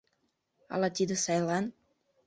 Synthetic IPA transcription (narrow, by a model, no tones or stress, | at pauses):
ɑ̰lɑt̪id̪ə̆sɑjlɑn